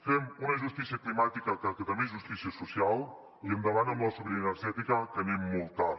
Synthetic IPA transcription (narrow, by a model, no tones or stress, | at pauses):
fɛmunəʒust̪isijəklimat̪ikəkəkət̪əmeʒust̪isiəsusialˠ | iənd̪əβanəmləsoβɾiənəɾʒɛt̪ikəkənemːɔlˠt̪a